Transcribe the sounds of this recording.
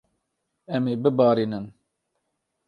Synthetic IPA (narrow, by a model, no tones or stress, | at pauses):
ɛmeːbɨbɑːɾiːnɨn